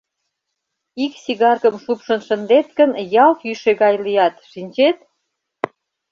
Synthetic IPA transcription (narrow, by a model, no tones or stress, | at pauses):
iksiɣɑrkəmʃupʃə̆nʃə̆nd̪et̪kənjɑlkjyʃeɣɑjlijɑt̪ʃinʲt͡ɕet̪̚